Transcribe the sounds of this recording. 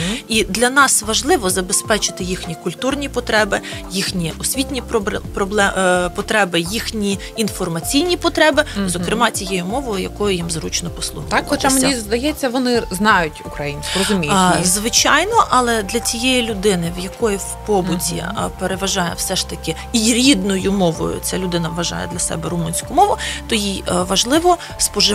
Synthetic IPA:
id̪lʲɐnɑsʋɐʒlˠɪʋɔzɐbespɛt͡ʃɪ̥t̪ɪjixnʲikʊlʲt̪urnʲipɔt̪ɾɛbɪ | jixnʲiʔɔsʲʋʲitʲnʲippɾɔblˠɛpɔt̪ɾɛbɪjixnʲiː | nfɔrmɐt͡sʲijnʲipɔt̪ɾɛbɪzɔkɾɪmɑt͡sʲijɛjʊmɔʋɔjʊjɐkɔjʊjimzrut͡ʃnɔpɔslˠṵxɐktxɔst͡ʃameizd̪ɐjɛt͡sʲːɐʋɔnɪznɑjʊtʲʊkɾɐjinʲsʲkʊrɔzʊmʲizʋɪt͡ʃɑjnɔʔɐlˠɛd̪lʲɐt͡sʲijɛjilʲʊd̪ɪnɪʋjɐkɔjiwpɔbʊtʲḭpeɾeʋɐʒɑjɛ̰wsɛʃt̪ɐkɪ | iɾʲid̪nʊjʊmɔʋɔ̰jʊ̰t͡sʲalʲʊd̪ɪnɐʋːɐʒɑ̰jɛ̰d̪lʲɐsɛ̰bɛɾʊmunʲsʲkʊmɔʋʊt̪ɔjiʋɐʒlˠɪʋɔ | spɔʒɪ

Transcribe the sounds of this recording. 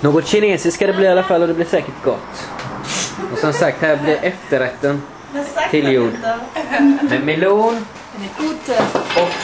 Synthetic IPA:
noːɡɔt̪ɕɪneːsɪskad̪ɛbliːɾalːafalːɔd̪ɛblɪʂɛːkəʈɡɔt̪ː | ɔsɔmsak̚t̪hæːɾblɪɾʔɛft̪əɾɛkt̪ːən | t̪ʰɪljuːɖ | med̪mɪluːn | ɔk

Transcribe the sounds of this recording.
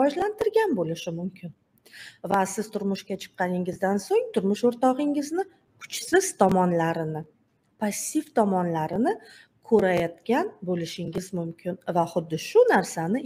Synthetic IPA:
ɒd͡ʒlant̪ʰɪɾɡʲanbolɪʃɪmʊmkʲʰɪn | vasɪz̥t̪ʰʊɾmʊʃkʲat͡ʃʰɨ̥qːɑnɪŋɪzd̪ansoŋt̪ʰʊɾmʊʃoɾt̪ɒʁɪŋɪznɪ | kʰʊ̥t͡ʃsɪz̥t̪ʰɒmɒnlaɾɪnɪ | pʰasʲːift̪ʰɒmɒnlaɾɪnɪ | kʰɵɾajɒt̪kʲanbolɪʃɪŋɪzmʊmkʲʰɪnvaχʊd̪ːɪʃʊnaɾsanɪ

